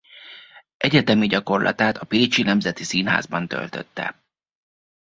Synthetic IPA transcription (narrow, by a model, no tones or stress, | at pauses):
ʔɛɟɛt̪ɛmiɟɒko̞rlʔɒ̰t̪aːt̪ɒpit͡ʃinɛmzɛt̪isiːnɦa̰ːzbɒnt̪ø̰lt̪ø̰t̪ːɛ̰